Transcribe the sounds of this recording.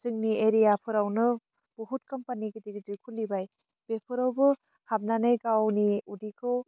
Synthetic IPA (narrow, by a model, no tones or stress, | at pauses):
zɯŋnieɾijapʰɯɾawnɯ | b̥uɦut̚kɐmpaniɡɯdikzɯkʰulibaj | b̥epʰɯɾawbɯ | hab̚nanajɡawniudikʰɯw